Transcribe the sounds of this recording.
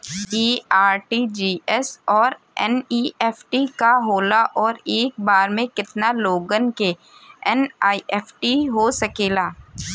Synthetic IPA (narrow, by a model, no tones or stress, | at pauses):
iːaːɾʈid͡ʒiːɛsɔːɾ | ɛ̰niːɛːpʰʈikaɦoːlaʔɔːɾeːk̚baːɾmẽkɪt̪naloːɡənke | ɛnaːiʔɛːpʰʈiɦosɐkeːlaː